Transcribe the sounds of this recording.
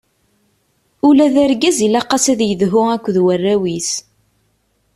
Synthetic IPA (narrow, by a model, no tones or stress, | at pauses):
ulæðæɾɡæzilɑqɑsæðjəðɦʊækʷːðwərːæwis